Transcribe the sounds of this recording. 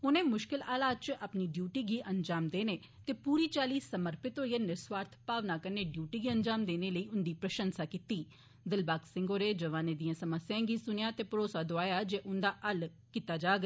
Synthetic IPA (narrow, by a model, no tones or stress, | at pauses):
ʊnẽːmʊʃkɪlaːlaːt͡ʃʔəpniːɖjuːʈiːɡiːʔənd͡ʒaːmd̪eːneː | t̪eːpuːɾiːt͡ʃaːliːsəməɾpɪt̪ɦoːiːeːnɪɾsʋaːɾt̪ʰpaːʋnaːkəneːɖjuːʈiːɡiːənd͡ʒaːmd̪eːneːləiːʊnd̪iːpɾəʃənsaːkiːt̪iː | d̪ɪlbaːksɪ̃ŋɡoːɾeːd͡ʒəʋaːneːd̪ijãːsəməsːɪjãːɡiːsʊnejaːt̪eːpəɾoːsaːd̪oaːjaːd͡ʒeːʔʊnd̪aːʔəl | kit̪aːd͡ʒaːɡ